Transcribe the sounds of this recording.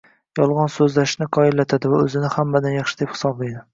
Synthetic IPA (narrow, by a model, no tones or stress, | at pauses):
jɒlˠʁɒnsɵzlaʃnɪqʰɒɪlːat̪ʰad̪ɪvaɵzɪnɪhamːad̪anjɑχʃɪ̥d̪ephɪ̥sɒblejd̪ɪ